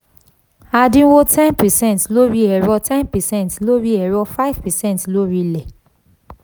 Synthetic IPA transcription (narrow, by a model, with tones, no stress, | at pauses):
a˨dĩ˦wo˦tʰɛ̃˦npɛ˨sɛ̃˦ntlo˦ɹi˦ɛ˨ɹɔ˦tʰɛ̃˦npɛ˨sɛ̃˦˨ntlo˦ɹi˦ɛ˨ɹɔ˦fa˦jv̥pɛ˨sɛ̃˦ntlo˦ɹi˦lɛ˨